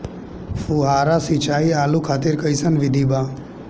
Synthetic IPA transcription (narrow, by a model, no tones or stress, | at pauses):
fuɦaːɾaːsit͡ʃaːiːaːlukʰaːt̪iːɾkəisənʋɪd̪ʱiːbaː